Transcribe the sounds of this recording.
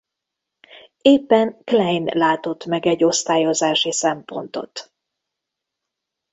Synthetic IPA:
eːpːɛnklɛjnlaːt̪o̞t̪mɛɡɛɟːo̞st̪aːjo̞zaːʃisɛmpo̞̰nt̪o̞̰t̪

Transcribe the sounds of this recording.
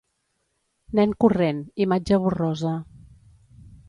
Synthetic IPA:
nɛŋkurenimad͡ʒəβurɔzə

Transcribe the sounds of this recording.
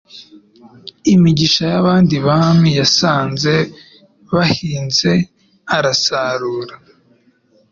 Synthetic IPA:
imiɟiʃajaβaːndiβamijasaːnze̞ | βahiːnze̞ | aɾasaɾuːɾa

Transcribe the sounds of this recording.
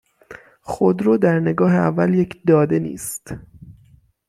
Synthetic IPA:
xod̪ɾoːd̪æɾne̞ɡɒːɦeævːælje̞cʰd̪ɒːd̪e̞nḭːst̪

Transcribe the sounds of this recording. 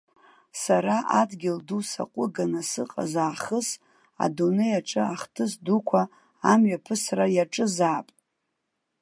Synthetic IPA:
saɾaʔadɡʲɪldusa̰qʷʼʊɡanasɨqʼa̰zaːχəs | a̰donejaʈ͡ʂʼɨaχtʰɨsdukʷʰa | amɥapʰɨsrajaʈ͡ʂʼɨzaːpʼ

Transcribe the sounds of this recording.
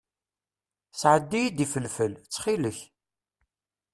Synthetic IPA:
sʕəd̪ːijid̪ifəlfəlt͡sːχiləç

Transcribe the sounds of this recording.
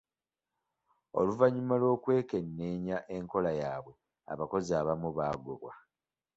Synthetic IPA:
o̰luvaɲimalo̞ːkwe̞ːke̞nːe̞ɲaʔe̞ŋko̞lajaːβwe̞ | a̰βako̞ziaːβamuβaːɡo̰βwa

